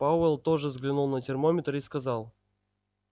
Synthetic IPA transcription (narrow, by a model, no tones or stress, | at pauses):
paʊɛlˠt̪oʐɨzɡlʲɪnulˠnətʲɪrmomʲɪt̪ɾɨskɐzɑlˠ